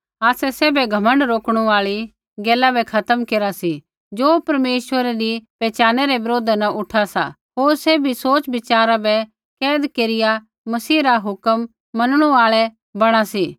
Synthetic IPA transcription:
aːsɛseːbɛɡʱɐmə̃ɳɖɾoːkɽ̃uaːɭi | ɡɛːlabɛkʰɐt̪əmkeːɾasi | d͡ʒoːpɐɾmeːʃwəɾeɾipɛːt͡ʃaːnɛɾɛʋɪɾoːd̪ʱanɐʔʊʈʰasa̰ | ɦoːɾsɛbʱisoːt͡ʃbɪt͡ʃaːɾabɛ | kɛːd̪keːɾɪja | mɐsiːɾaɦʊkəmː | ɐnɽ̃ũaːɭɛ | bɐɽ̃asiː

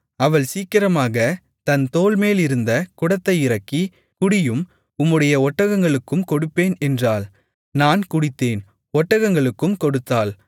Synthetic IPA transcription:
ɐʋɐɭsiːkɪɾɐmaːɣɐ | t̪ɐnt̪oːlmeːlɪɾɯnd̪ɐkʊɽɐt̪ːɐɪɪɾɐkːi | kʊɽɪjɯm | ʊmːɯɽɐjɐɔʈːɐɣɐŋɡɐɭɯkːɯmkɔɽɯpːeːnɛndraːl | naːnkʊɽɪt̪ːeːn | ɔʈːɐɣɐŋɡɐɭɯkːɯmkɔɽɯt̪ːaːl

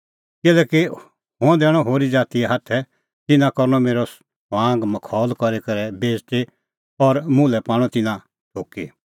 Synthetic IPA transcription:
kɪlɛːki | ɦõd̪ɛːɽ̃ɔɦoːɾid͡zaːt̪ieɦat̪ʰɛ | t̪ɪnãkɔɾñɔmeːɾɔs | ãːŋɡmɐkʰɔːlkɔɾekɐɾɛbeːd͡ʒt̪e | ɔɾmʊ̃lɛpaːɽ̃ɔ̃t̪ɪnã | ʈʰoːki

